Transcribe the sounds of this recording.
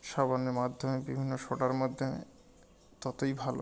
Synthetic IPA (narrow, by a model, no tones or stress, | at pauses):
ʃabanːemad̪ʱomebibʱinːoʃoʈaɾmod̪ʱːomḛ | t̪ɔt̪ojbʱalo̰